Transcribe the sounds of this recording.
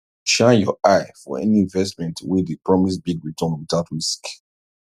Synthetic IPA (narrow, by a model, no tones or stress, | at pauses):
ʃãjɔaɪfɔ̰ɛ̰niĩɱvɛstmɛ̃ntwidepɹɔmisbiɡɹitʰɔ̃nwiðaʊtɹisk